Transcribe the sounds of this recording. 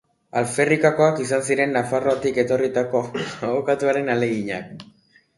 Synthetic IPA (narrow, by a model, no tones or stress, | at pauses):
alfe̞rikako̞akisansiɾe̞nːafaro̞at̪ike̞t̪o̞rit̪akoaokat̪uaɾe̞nale̞ɣiɲa̰k